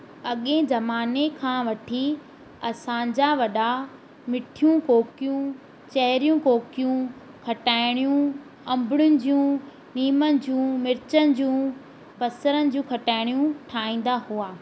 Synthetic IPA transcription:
ɐɠẽd͡ʑɐmaːnekʰãːʋɐʈʰi | ɐsãd͡ʑaʋɐɗa | mɪʈʰijũkoːkijũ | t͡ɕɐɦɪɾijũkoːkijũ | kʰɐʈaːɪɽ̃ijũ | ɐ̃mbɪɽjʊnɪ̆d͡ʑũ | niːmənɪ̆d͡ʑũːmɪɾɪt͡ɕənɪ̆d͡ʑũː | bɐsəɾənɪ̆d͡ʑũːkʰɐʈaːɪɽ̃jũʈʰaːĩːn̆d̪ahuaː

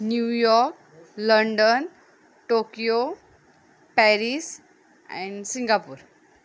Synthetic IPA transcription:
njujɔɾk̚ | ləɳɖən | ʈokijo | pɛɾis | ɛ̰̃ɳsĩŋɡapṵːɾ

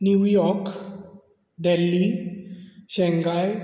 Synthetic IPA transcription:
njujɔɾk | ɖ̪ɛlːi | ɕɛ̃ŋɡaj

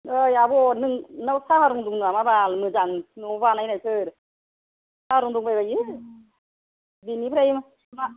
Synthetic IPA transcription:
ɯjabɔnɯŋnawsahaɾuŋduŋnɯamabalmɯzaŋnubanajnajsʰɯɾ | sahaɾuŋduŋbajbaji | binipʰɾajima | ma

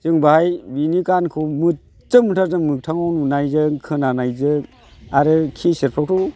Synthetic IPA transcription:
zɯŋbahajbinikankʰumɯ | t͡ʃɯmɯtʰaɾdɯmɯk̚tʰaŋɔnunajzɯŋkʰɯnanajzɯŋ | aɾɯkʰiseɾpʰak̚tʰu

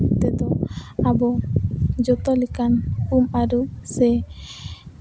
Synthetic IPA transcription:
t̪ɛd̪ɔabɔ | d͡ʒɔt̪ɔlikanumaɾusɛ

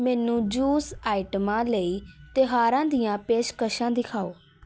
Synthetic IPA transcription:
mɛːnũːd͡ʒuːsaːɪʈəmãːləiːt̪eɦaːɾãːd̪ijãːpeːʃkəʃãːd̪ɪkʰaːoː

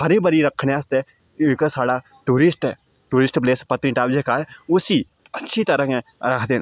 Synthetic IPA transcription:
hɐɾĩbɐɾiɾɐkʰnast̪e | ɪɽkəsaːɽa | ʈuːɾɪsʈɦɛː | ʈuːɾɪsʈpleːspɐt̪nĩʈaːbd͡ʒekaːeʊsi | ɐtːʃʰit̪ɐɾə̃kẽɾakʰt̪en

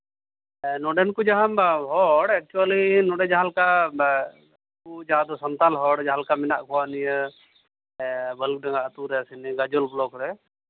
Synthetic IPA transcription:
nɔɖɛnkud͡ʒaɦãmbaɦɔɽɛk̚t͡ʃualinɔɖɛd͡ʒaɦalka | ud͡ʒaɦad̪ɔsɔnt̪alɦɔɽd͡ʒaɦalkamɛna̰ʔkʰɔwanijə | bəluk̚ɖɛ̃ŋɡaʔət̪uɾɛasiniɡad͡ʒɔlblɔkɾɛ

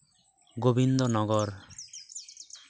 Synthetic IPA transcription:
ɡobind̪onɔɡɔɾ

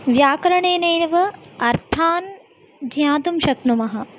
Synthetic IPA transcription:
ʋjaːkɾɐɳeːneːnɐʋɐɐɾt̪ʰaːn | d̪ʱjaːt̪umʃɐknumɐɦɐ̆

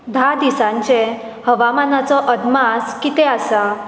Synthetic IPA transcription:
d̪ʱad̪isãɲt͡ɕẽ | həʋamanat͡sɔʔəd̪maskit̪easa

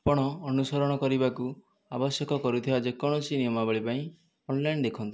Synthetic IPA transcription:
pɔɽ̃ɔɔnusɔɾɔɽ̃ɔkɔɾibaku | abɔsjɔkɔkɔɾut̪ʰibad͡ʒekɔɽ̃ɔt͡ʃʰinijɔmabaɭipaĩ | ɔnlaind̪ekʰɔnt̪i

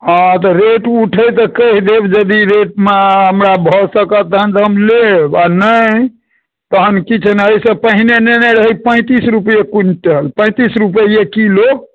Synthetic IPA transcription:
ɦãt̪ɔɾeʈuʈʰəjt̪ɔkəɦd̪ebd͡ʒəd̪iɾeʈ̚meɦəmɾabʱɔsəkət̪əɦənt̪ɦəmlebanəj | t̪əɦənkit͡ʃʰnɦəjsə̃pəɦinenɛnəɾəɦipə̃ɪ̃t̪isɾupjekunʈəlpə̃ɪ̃t̪isɾupəiekilo

